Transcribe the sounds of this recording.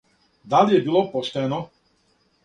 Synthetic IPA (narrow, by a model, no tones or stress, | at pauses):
d̪aljɛbilˠɔpɔʃt̪ɛːnɔ